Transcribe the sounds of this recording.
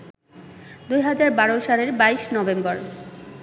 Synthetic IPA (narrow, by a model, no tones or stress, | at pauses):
d̪ujɦad͡ʑaɾbaɾoʃaleɾbaiʃnɔbembɔɾ